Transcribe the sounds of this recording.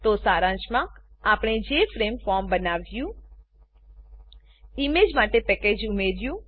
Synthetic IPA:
t̪osaːɾãt͡ʃmãaːpɳ̃ed͡ʒefɾemfɔːɾmbənaːʋjũ | ɪmeːd͡ʒmaːʈepɛked͡ʒʊmeɾjũ

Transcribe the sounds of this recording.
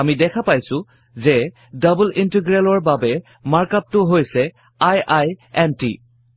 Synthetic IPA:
amidɛkʰapajsʊ | zɛ | dəblintiɡɹelɔɹbabɛ | maɹkap̚tʊɦojsɛ | ajajɛntḭ

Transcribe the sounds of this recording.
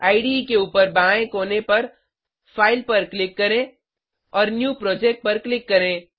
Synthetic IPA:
aːɪɖikeuːpəɾbãːẽkoːnepɐɾ | fʰaːɪlpɐɾklɪkːɐɾẽ | ɔːɾnjuːpɾɔːd͡ʒeːk̚ʈ̚pɐɾklɪkːɐɾẽː

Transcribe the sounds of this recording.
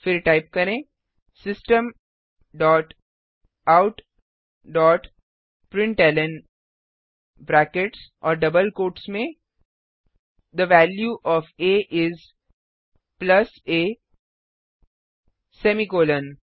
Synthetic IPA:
fɪɾʈaɪp̚kɐɾẽ | sɪsʈə̃m | ɖɔːʈ | aʊʈ | ɖɔːʈ | pɾɪ̃ɳʈɛːlə̃n | bɾɛːkeʈsɔːɾɖɐbəlkoːʈsmẽ | d̪əʋæːljuʔɔːfeːʔɪz | plɐseː | semikoːlə̃n

